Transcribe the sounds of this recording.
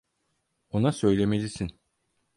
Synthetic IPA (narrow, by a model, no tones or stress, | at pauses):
o̞nasø̞jlʲemelʲisin